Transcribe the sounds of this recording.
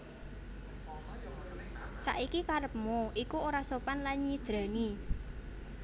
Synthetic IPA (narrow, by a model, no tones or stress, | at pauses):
sa̰ʔikikaɾəp̚moʔikuoɾasopanlanid̪̥ɾa̤ni